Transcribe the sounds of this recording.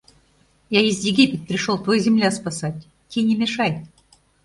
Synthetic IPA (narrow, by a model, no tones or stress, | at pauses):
jaizʲjɪɡʲipʲɪt̪̚pɾʲɪʂolˠt̪vojzʲɪmlʲaspɐsatʲ | tʲːenʲɪmʲɪʂaj